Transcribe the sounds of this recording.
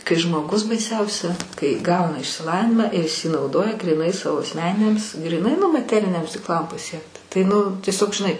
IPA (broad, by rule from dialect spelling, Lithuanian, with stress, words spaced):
kɐɪ ʒmoːˈɡʊs bɐɪˈsʲɛʊsʲɛ kɐɪ ˈɡɐʊnɐ ɪʃʲsʲɪˈlˠɑːʋʲɪnʲɪmɑː ɪr ɪs iː nɐʊˈdoːjɛ ɡrʲiːˈnɐɪ ˈsɑːʋoː ɐsʲˈmʲæːnʲɪnʲɛms ɡrʲiːˈnɐɪ nʊ mɐˈtʲæːrʲɪnʲɛms tʲɪksˈlˠɐm pɐˈsʲiɛkt tɐɪ ˈnʊ tʲiɛˈsʲoːk ʒʲɪˈnɐɪ